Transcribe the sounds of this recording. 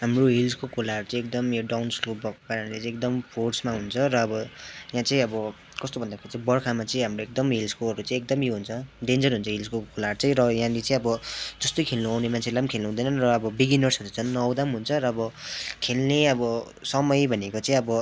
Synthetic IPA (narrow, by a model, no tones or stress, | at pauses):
ɦamroɦilskokolaʌɾut͡saĩekd̪ʌmjoɖawnslobʌkkaɾanlet͡sʌĩekd̪ʌmpʰorsmaɦunt͡sʰʌɾʌːbʌjãt͡sʌĩʌbʌ | kʌst̪obʌnd̪akʰeɾit͡sãĩbʌrkʰamat͡sʌĩɦamroek̚d̪ʌmɦilskoʌɾut͡sãĩek̚d̪ʌmijoɦunt͡sʰʌɖend͡zʌrɦunt͡sʰʌɦild͡zkokolart͡sãĩɾʌjãlet͡sʌĩʌbʌd͡zʌst̪ojkʰelnuawnemant͡sʰelamkʰeluw̃d̪ʌjnʌnrʌːbʌbiɡinʌrsʌɾut͡sʰʌnːʌwd̪amɦunt͡sʰʌɾʌːbʌkʰelneʌbʌ | sʌmʌjbʱʌnekot͡sãĩʌbʌ